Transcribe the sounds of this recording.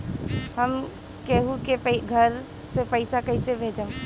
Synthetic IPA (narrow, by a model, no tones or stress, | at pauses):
həm | keːɦukepɡʱɐɾ | sepɐɪsakɐɪsebʱeːd͡ʒə̃m